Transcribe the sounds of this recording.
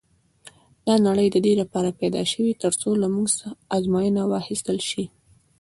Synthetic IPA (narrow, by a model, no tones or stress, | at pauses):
d̪̥ɑnaɽəjd̪əd̪elapɑɾapajd̪ɑ̰ʃəwit̪əɾt͡solamuɡsaːzmɑjənawɑxist̪əlʃi